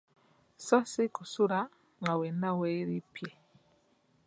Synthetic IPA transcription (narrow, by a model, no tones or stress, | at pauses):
sɔsikusuɾa | ŋawɛnawɛiɾipjɛ